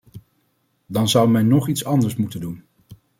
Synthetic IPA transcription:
dɑnzʌwmɛnːɔχitsɑndəɹsmutəndun

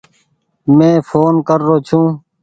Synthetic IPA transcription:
mẽːfʰoːnkəɾːoːt͡ʃʰũː

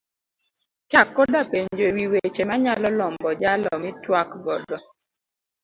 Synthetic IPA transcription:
t͡ʃakːɔdapeɲd͡ʒowiwet͡ʃemaɲalɔlɔmbɔd͡ʒalɔmɪtwakɡɔdɔ

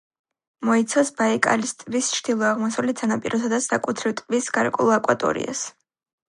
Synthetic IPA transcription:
mɔit̪sʰɔsbaikʼa̰list̪ʼvist͡ʃʰd̪̥ilˠɔaʁmɔsulit̪sʰanapʼiɾɔsad̪asakʼut̪ʰɾɛvt̪ʼvisɡ̥aɾkʼɛ̰ulˠakʼwa̰t̪ʼɔ̰ɾḭa̰s

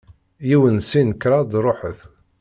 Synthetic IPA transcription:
jiwənsinkɾˤɑd̪ɾˤoħəθ

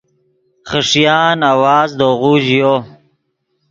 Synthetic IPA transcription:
χəʂjaːnawaːzd̪oːɣuʑijo

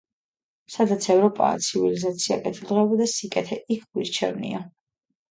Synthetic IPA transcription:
sad̪at̪sʰɛvɾɔpʼa̰ːt̪sʰivilizat̪sʰia̰kʼɛt̪ʰilˠɾɛɔbɔd̪asikʼɛt̪ʰɛʔikʰɡ̥wiɾt͡ʃʰɛ̰vnḭa

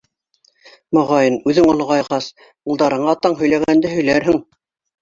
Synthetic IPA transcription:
mŏʁɑjɤnʉðɘŋŏlˠɤ̆ʁɑjʁɑs | ulˠd̪ɑɾɤ̆ɴɑt̪ɑɴɦɵ̆jlæɣænd̪ɘɦɵ̆jlæɾɦɘŋ

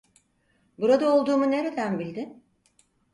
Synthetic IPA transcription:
buɾad̪ao̞lˠd̪uːmune̞ɾe̞d̪ænbilʲd̪i

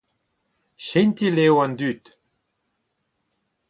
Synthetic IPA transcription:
ʃent̪ilewãnd̪yt̪

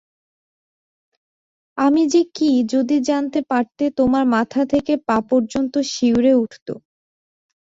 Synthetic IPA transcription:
amid͡ʑekid͡ʑod̪id͡ʑant̪epaɾt̪et̪omaɾmat̪ʰat̪ʰekepapoɾd͡ʑont̪oʃiwɾeuʈʰt̪o̰

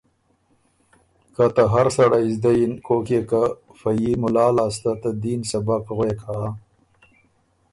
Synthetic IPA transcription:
kat̪aɦaɾsaɽaizd̪ajinkoːkekafajimʊlɑːlaːst̪at̪ad̪insabakɣwekʰa

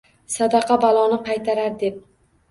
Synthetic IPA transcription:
sad̪ɑqʰɑbalˠɒnɪqʰɑjt̪ʰaɾaɾd̪e̞p̚

